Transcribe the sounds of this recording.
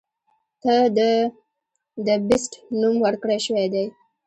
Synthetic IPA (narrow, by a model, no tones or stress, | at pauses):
t̪ad̪ə | d̪əbɪsʈnumwəɽkɽeʃəwed̪aj